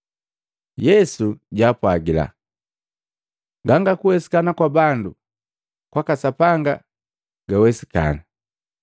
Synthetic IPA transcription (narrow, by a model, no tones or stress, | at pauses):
jɛsuɟaːpwaɡila̰ | ɡaŋɡakuwɛsi̥kanakwabandu | kwakasapaŋɡa | ɡ̥awɛsi̥ka̰na